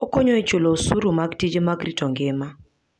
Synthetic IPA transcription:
ɔkɔɲɔɛt͡ʃolosuɾomaɡtid͡ʒemaɡɾitɔŋɡɪma

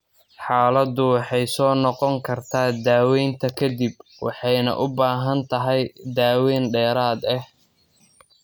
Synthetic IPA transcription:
ħaːlɐd̪ʊwɑħɑjsɔːnɔqɔŋkʰɐrt̪ʰaːd̪aːwɛjnt̪ʰɐkʰɐd̪ibwɑ̰ħɑjnɐ̰ʔʊbaːɦɐnt̪ʰɐɦɛjd̪aːwɛːnɖɛːɾaːd̪ɐh

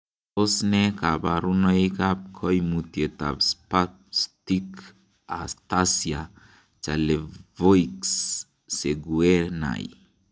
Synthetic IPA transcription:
osnɛkabaɾunɔikap̚kʰɔjmuteta̰pspa | stik | a̰st̪asia | t͡ʃalevojksː | eɡuena̰j

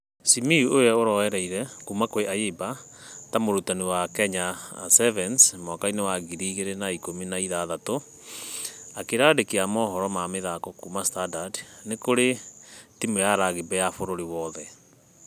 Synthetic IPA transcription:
simiuojaoɾɔhɛɾɛiɾɛkumakoeʔajeba | tamoɾutaniwakɛɲa̰sɛvɛnsmɔkainewaɣiɾiːɣeɾenaikominaiðaðato | akeɾaːdekeamɔɦɔɾɔmameðakɔkumastadadnekoɾetimejaɾaɣebɛjafoɾoɾiwɔðɛ

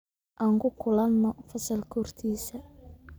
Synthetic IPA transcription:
ʔaːŋkʰʊkʰʊlɐnːɔfɐsɐlkʰɔrt̪ʰiːsɐ

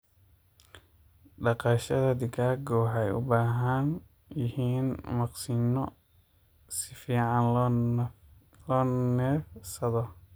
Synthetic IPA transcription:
ɖɑqɑːʃɐðɐd̪ɪɡʰaːɡɔːħɛjʊ̰baːɦɐn | jɪhiːnmɑqsɪnɔ | sɪfiːʕɑn | lɔːnɛːfsɐðɔ

